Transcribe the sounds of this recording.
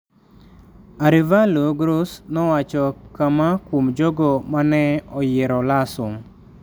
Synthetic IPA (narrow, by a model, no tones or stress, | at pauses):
aɾivaloɡɾosnɔwat͡ʃɔkamakwomd͡ʒoɡɔmanɛɔjɪɾɔlasʊm